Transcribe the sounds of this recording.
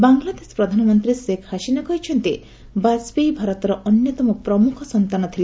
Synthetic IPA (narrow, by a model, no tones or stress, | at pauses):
baŋɡlad̪esɔ̥pɾɔd̪ʱanɔmɔnt̪ɾisekʰhaʃinakɔɦjt͡ʃʰɔnt̪e | basbejbʱaɾɔt̪ɔɾɔʔɔnjɔt̪ɔmɔpɾɔmukʰɔsɔnt̪anɔt̪ʰile